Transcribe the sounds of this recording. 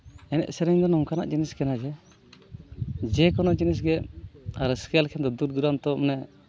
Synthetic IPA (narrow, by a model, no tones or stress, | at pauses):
ɛnɛ̰ʔsɛɾɛɲd̪ɔnɔŋkana̰ʔd͡ʒiniskɛnad͡ʒɛ | d͡ʒɛkɔnɔd͡ʒinis̬ɡɛaɾɔskɛlkʰɛnd̪ɔd̪uɾd̪uɾant̪ɔmɛnɛʔ